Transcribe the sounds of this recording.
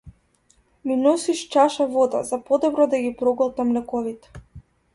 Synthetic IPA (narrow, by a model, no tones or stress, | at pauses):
minɔsiʃt͡ʃaʃavɔd̪a̰zapɔd̪ɔbɾɔd̪aɡipɾɔɡɔlˠt̪amlɛkɔvit̪ɛ̥